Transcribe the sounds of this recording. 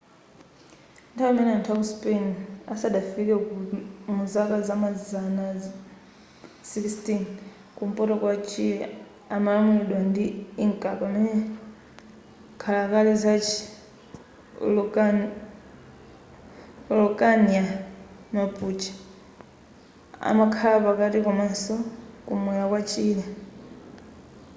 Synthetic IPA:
ntʰawamɛnɛantʰakuspʼenasadafiɾɛumuzakazamazana | sikstin | kum̩pʼɔtɔkwat͡ʃʰiɛ̰ | amalamulɛɗɔndiiŋkʼapamɛnɛ | kʰalakalizat͡ʃʰi | lʼ | lɔkʼaniamapʼut͡ʃʰi̥ | a̰makʰalapakatikɔmasɔkumwɛjakwat͡ʃʰiːlɛ

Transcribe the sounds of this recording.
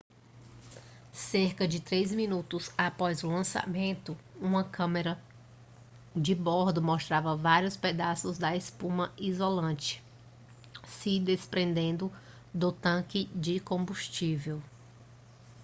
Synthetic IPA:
seɾkɐd͡ʒɪt̪ɾejzmĩnut̪ʊzapɔzʊlɐ̃sa̰mẽnt̪ʊũmɐkʰɐ̃meɾɐ | d͡ʒɪbɔɾd̪ʊmost̪ɾavɐvaɾijʊsped̪asʊzd̪ɐespũmɐizolɐ̃t͡ʃɪ̥ | sɪd̪espɾẽnd̪ẽnd̪ʊ | d̪ʊt̪ɐ̃kɪd͡ʒɪkõbuʃt͡ʃivew

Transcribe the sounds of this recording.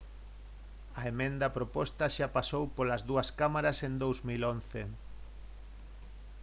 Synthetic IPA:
ɐemẽnd̪ɐpɾopɔst̪ɐʃapasowpolɐzðuɐskamaɾɐsend̪owzmilon̟θe

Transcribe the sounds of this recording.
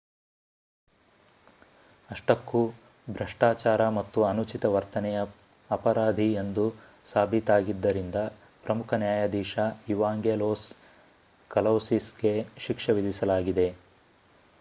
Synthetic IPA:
ɐʂʈɐkːu | bʱɾɐʂʈaːt͡ʃaːɾɐmɐt̪ːuɐnut͡ʃit̪ɐʋɐɾt̪ɐnɛjɐ | ɐpɐɾaːd̪ʱiend̪u | saːbʱit̪aːɡid̪ːɐɾind̪ɐ | pɾɐmukʰɐnjaːjɐd̪iːʃauʋaːŋɡeːloːs | kɐlɐwsisɡe̞ʃikʂɐʋid̪ʱisɐlaːɡid̪e̞

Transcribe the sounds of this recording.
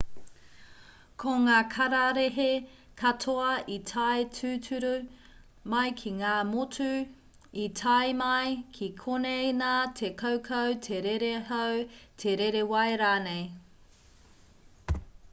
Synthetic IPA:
kʰoŋaːkʰɐɾɐɾeɦe | kʰɐtʰoɐitʰaejtʰʉːtʰʉɾu | mɐjkʰiŋaːmotʉ | itʰɐjmɐjkʰikʰonejnaːtʰekʰowkʰowtʰeɾeɾeɦowtʰeɾeɾewɐjɾaːnej

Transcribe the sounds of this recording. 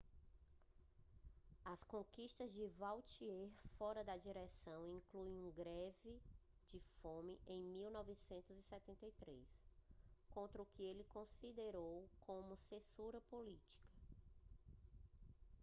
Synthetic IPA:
ɐskõkiʃt̪ɐzd͡ʒɪvawt͡ʃiɛɾfɔɾɐd̪ɐd͡ʒiɾɛsɐ̃w̃ĩkluẽũɡɾɛvɪ | d͡ʒɪfõmɪʔẽj̃miwnɔvɪsẽnt̪ʊzisɛt̪ẽnt̪ɐjt̪ɾḛs | kõnt̪ɾɐukɪelɪkõsid̪eɾowkʰõmʊsẽsuɾɐpolit͡ʃi̥kɐ̥

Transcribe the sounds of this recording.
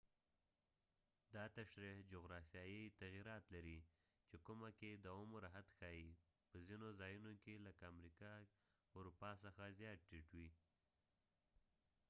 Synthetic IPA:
d̪ɑt̪aʃɾihd͡ʒoɣɾɑfjɑjət̪aɣiɾɑt̪laɾi | t͡ʃekʊmaked̪əomʊɾaɦat̪xɑji | pəzinozɑjunokeləkaamɾikɑ | ʊɾupɑsəxazjɑt̪̚ʈɪʈwi

